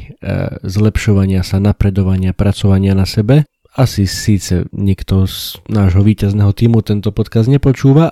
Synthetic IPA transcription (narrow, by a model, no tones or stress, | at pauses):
zlɛpʃɔʋaɲɪasanapɾɛd̪ɔʋaɲɪapɾat͡sɔʋaɲɪanasɛbɛ | asisiːt͡sɛ̰ɲikt̪ɔznaːʒɦɔʋiːcaznɛːɦɔt̪iːmut̪ɛnt̪ɔpɔt̪kazd̪ɲɛpɔt͡ʃuːʋa